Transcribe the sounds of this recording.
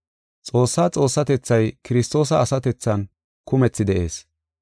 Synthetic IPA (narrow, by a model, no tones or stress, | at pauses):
t͡sʼo̞ːsːaːt͡sʼo̞ːsːɐt̪ɛt͡sːɐjkɪɾɪst̪o̞ːs̬ɐːsɐt̪ɛt͡sːɐn | kʊmɛt͡sːɪd̪ɛʔe̞ːs